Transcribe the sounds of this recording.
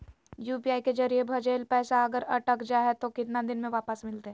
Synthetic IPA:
juːpiaːiked͡ʒɐɾiebʱɐd͡ʒeːlpɛːsaɐɡəɾɐʈəkd͡ʒaːɦɛt̪okɪt̪nad̪ɪnmẽʋaːpəsmɪlt̪eɦɛ

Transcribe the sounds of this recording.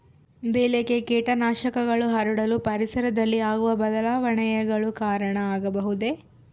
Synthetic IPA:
beːlekekiːʈɐnaːʃɐkɐɡɐɭuɦɐɾuɽɐlupɐɾisɐɾɐd̪ɐlːiaːɡuʋɐbɐd̪ɐlaːʋɐɳɐjɐɡɐɭukaːɾɐɳɐaːɡɐbɐɦud̪e̞

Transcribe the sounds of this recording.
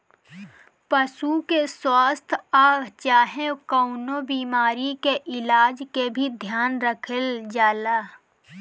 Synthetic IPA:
pəsukeswaːst̪ʰaːɡt͡ʃaːɦẽkəʊnobiːmaːɾikeʔɪlaːd͡ʒkebʱid̪ʱjaːnɾəkʰəld͡ʒaːlaː

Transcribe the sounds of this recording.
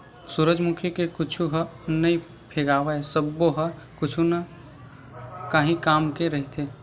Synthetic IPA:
suɾəd͡ʒmʊkʰikekʊt͡ʃʰuɦənɐĩ | pʰeːɡaːʋaesəbːoɦɐ | kʊt͡ʃʰunɐ | kaːɦĩkaːmkeɾɐɦit̪ʰeː

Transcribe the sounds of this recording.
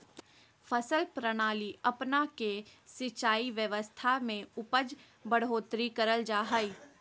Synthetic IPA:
fʰəsəlpɾəɽ̃aːliɐpnakesɪt͡ʃaːiʋjəʋəst̪ʰamẽʊpəd͡ʒ | bəɽ̤ɦoːt̪ɾikəɾəld͡ʒaːɦaːi

